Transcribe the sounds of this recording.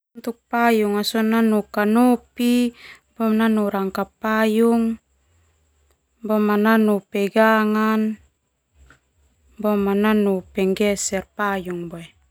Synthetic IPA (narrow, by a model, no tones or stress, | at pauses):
t̪uk̚pajuŋasɔnanukanupi | bɔmnanuɾaŋkapajuŋ | bɔmananupɛɡaŋan | bɔmananupɛŋɡɛsɛrpajuŋboe